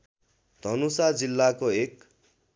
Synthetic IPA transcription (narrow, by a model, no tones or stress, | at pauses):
d̪̥ʱʌnusad͡zilːakoek